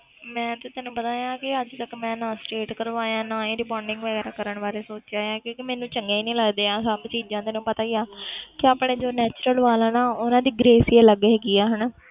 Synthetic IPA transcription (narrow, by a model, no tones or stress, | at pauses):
mɛ̃ːt̪ʊt̪enũːpət̪aːjãːkɪəd͡ʒt̪əkmɛ̃ːnãːsʈeːʈkəɾʋaːjãːnãːĩːɾɪpɔːɾɖɪ̃ŋɡʋəɡɛːɾaːkəɾəɳʋaːɾeːsoːt͡ʃaːjãːkjõːkimɛ̃ːnũːt͡ʃəŋɡeːiːnĩːləɡd̪eːaːsabt͡ʃiːd͡ʒãːt̪eːnũːpət̪aːijaːkɪaːpɳeːd͡ʒoːnɛːt͡ʃɾəlʋaːlaːnaːʊnãːd̪iːɡɾeːsiːeləɡeɦɛːɡiːaːɦən